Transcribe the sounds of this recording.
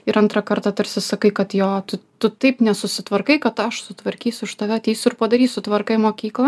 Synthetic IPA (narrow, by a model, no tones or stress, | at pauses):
ɪɾɐnt̪ɾɐkɐrt̪ɑːt̪ɐɾʲsʲɪsɐkɐɪkɐt̪joːt̪ʊt̪ʊt̪ɐɪpnʲɛsʊsʲɪt̪ʋɐrkɐɪkɐt̪ɐʃsʊt̪ʋɐɾʲkʲiːsʲʊɪʃt̪ɐʋʲɛɐt̪ʲiːsʲʊɪrpɐd̪ɐɾʲiːsʊt̪ʋɐrkɐɪmoːkʲiːklˠɐ